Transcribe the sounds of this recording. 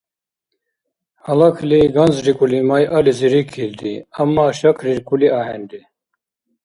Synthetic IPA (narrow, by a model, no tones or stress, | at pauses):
hɑlɑkʰliɡɑnzɾikʼulimajʔaliziɾikʰild̪iamːaːʃakʰɾiɾkʼuliʔɑːhɛnd̪i